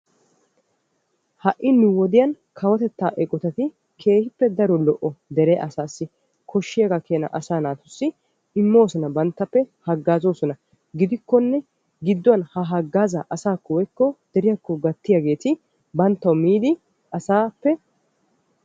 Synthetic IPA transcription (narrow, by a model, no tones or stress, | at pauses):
hɐʔɪnːɪwɔd̪ɪjɐn | kʰɐwɐt̪ɛt̪ːaːʔɛkʼɔt̪ɐt̪ɪ | kʰe̞ːhɪpːɛd̪ɐɾɔlɔʔːɔd̪ɛɾeʔɐsaːsːɪ | kʰɔʃːɪjaɡɐkeːnɐ̰ʔɐsaːnaːt̪ʊsːɪ | ɪmːo̞ːsɔnɐbɐnt̪ːɐpːɛhɐɡːaːzoːsɔnɐ | ɡɪd̪ɪkːɔnːɛ | ɡɪd̪ːɔwɐnhɐɦɐɡːaːzɐʔɐsaːkːɔwɔjkːɔd̪̥ɛɾɪjɐkːɔɡɐt̪ːɪjaɡe̞ːt̪ɪ | bɐnt̪ːɐwmiːd̪ɪ | ʔɐsaːpːɛ